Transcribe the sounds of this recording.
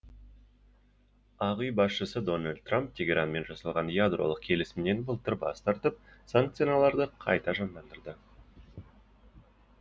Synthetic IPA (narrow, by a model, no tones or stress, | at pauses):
ɑʁyjbɑsʃəsəd̪o̞nalʲd̪̚t̪ːramp̚t̪ʲʰe̞ɡʲe̞ɾʔanme̞nʒɑsɑlˠʁɑnjad̪ro̞̰lˠəq̚kʲʰe̞lɪsɪmɪne̞nbəlˠt̪ʰəɾbɑ̰st̪ɑɾt̪əp̚saŋk̚t̪sɨjnɑlˠɑɾd̪əqʰɑ̰jt̪ɑʒɑmd̪ɑnd̪əɾd̪ə